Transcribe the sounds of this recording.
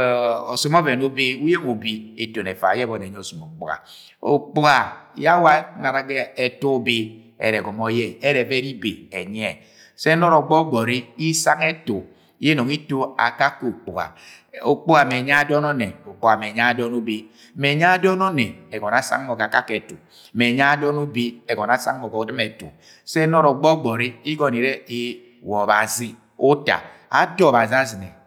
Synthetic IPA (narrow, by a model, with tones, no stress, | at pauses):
ɔ˨su˦mɔ˦vɛ˨no˦be˦u˦je˦mo˨bi˦e˨to˨nɛ˨fa̰˨jɛ˦bɔ˨nɛ˨ɲ˦ɔ˨su˨mo˨k͡pṵ˨a̰˨ | o̰˨k͡pu˦ɡa˨ja˦wa˦na˨ɾa˨ɡɛ˦ɛ˨tu˦o˦be˦ | ɛ̰˨ɾɛ˨ɡɔ˨mɔ˦jɛ˦˨ɛ˦ɾɛ˨vɛ˦ɾi˦be˨e˨ɲ˦ɛ˨ | sɛ˦nɔ˦ɾɔ˨ɡ͡bɔ˦ɡ͡bɔ˨ɾi˦i˦sa˦ŋɛ˦tu˨˦ | e˦no˨ŋi˦to˦a̰˨ka˦ko˨k͡pu˨a̰˨ | o˨k͡po˦a˨me˨ɲa˦dɔ˦nɔ˦ne˨o˨k͡po˦a˨me˨ɲa˦dɔ˦nu˦bi˦ | me˨ɲa˦a˦dɔ˦nɔ˦ne˨e˨ɡɔ˨na˨sa̰˦ŋː˦ɔ˨ka˨ka˦ke˨to˨ | me˨ɲa˦dɔ˦nu˦bi˦e˨ɡɔ˨na˨˦sa̰˦ŋːɔ˨kɔ˨dɨ˦me˨to̰˨ | sɛ˦nɔ˦ɾɔ˨ɡ͡bɔ˦ɡ͡bɔ˨ɾi˦i˦ɡɔ˨ni˨ɾe˦i˦ | wɔ˨ba˨zi˦ | o˦ta̰˨ | a̰˦dɔ˦˨ba˨zi˦a˦zi˨ne˨